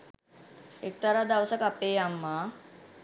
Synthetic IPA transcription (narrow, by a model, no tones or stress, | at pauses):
ek̚t̪əɾad̪aʋsəkapeːjamːa